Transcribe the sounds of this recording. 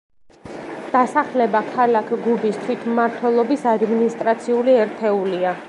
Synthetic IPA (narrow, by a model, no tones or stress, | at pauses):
d̪̥asaχlɛbakʰalakʰɡubist̪ʰwit̪ʰmaɾt̪ʰwɛlˠɔbisad̪minist̪ʼɾat̪sʰiuliɛɾt̪ʰɛulia